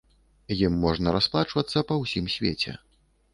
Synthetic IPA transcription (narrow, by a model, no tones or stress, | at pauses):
jimːɔʐnɐɾasplˠat͡ʂvɐt̪sːɐpɐwsʲimsʲvʲḛt͡sʲɛ̰